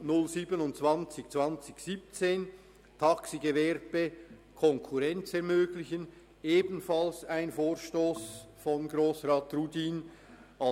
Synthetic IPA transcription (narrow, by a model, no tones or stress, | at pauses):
nʊlziːbənʊntt͡sv̥ant͡sɪçt͡sv̥ant͡sɪçsiːp̚t͡seːn | tʰaksiɡevɛɾb̥ə | kʰɔŋkʰuʁɛnt͡sɛɐʁmøːɡlɪçən | eːbn̩falsaɪnfoːɾʃtoːsfɔnɡɾoːsʁaːtrudiːn | ʔa